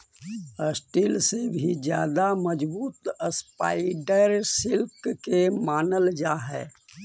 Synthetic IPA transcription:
əsʈiːlsebʱid͡ʒjaːd̪aməd͡ʒbuːt̪əspa̰ːɪɖəɾsɪlkkemaːnəld͡ʒaːɦɛ̰ː

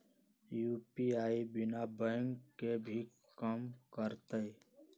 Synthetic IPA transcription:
juːpiaːibɪnabɛ̃ŋkːebʱi | kəmkəɾt̪əe

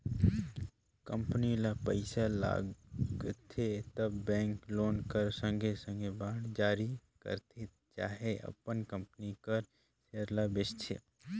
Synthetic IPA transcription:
kə̃mpnilapəɪsala̰ːɡɡt̪ʰet̪əbːɛ̃ːŋkloːnkəɾsə̃ŋɡʱesə̃ŋɡebaːɽd͡ʒaːɾikə̰ɾt̪ʰe | t͡ʃaːɦeʔɐ̰pənkə̃mpənikəɾ | seəɾlabɪst͡ʃʰḛ

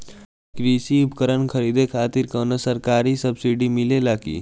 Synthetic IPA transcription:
kɾisiupkəɾənkʰəɾid̪ekʰaːt̪iɾkənəsəɾkaːɾisəbsiɖimilelakḭ

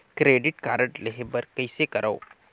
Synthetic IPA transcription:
kɾeɖɪʈkaːɾəʈleɦebəɾkəjsekəɾao

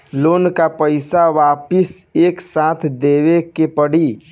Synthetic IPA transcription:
loːnkapəɪsaʋaːpɪseːksãːt̪ʰd̪eːʋekepəɽi

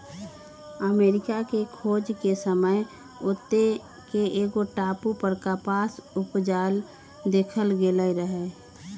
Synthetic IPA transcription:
əmeːɾɪkakekʰoːd͡ʒkesəməj | ʊt̪ːe | keʔeːɡoʈaːpupəɾkapaːsʊpd͡ʒaːl | d̪eːkʰəlɡeləiɾəɦe

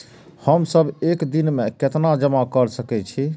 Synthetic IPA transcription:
həmsəbekd̪inmeket̪nad͡ʒəmakəɾsəkɛt͡ʃʰi

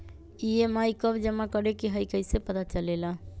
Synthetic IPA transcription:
iemajkəbd͡ʒəmakəɾekiɦəjkəjsepət̪at͡ʃəlela

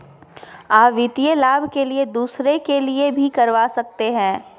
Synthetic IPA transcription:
aːpʋɪt̪ijəlaːbʱkelied̪uːsɾekeliebʱikɐɾʋaːsɐk̚t̪eɦɛ̃ː

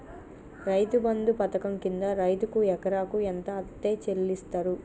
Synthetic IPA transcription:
ɾɐjt̪ubɐnd̪upɐt̪ɐkɐmkind̪ɐɾɐjt̪ukuɛkɐɾaːkuent̪ɐːt̪ːe̞ːt͡ʃe̞lːist̪aːɾu

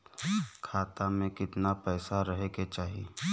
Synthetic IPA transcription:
kʰaːt̪amẽkɪt̪napɛːsaɾəɦeket͡ʃaːɦie

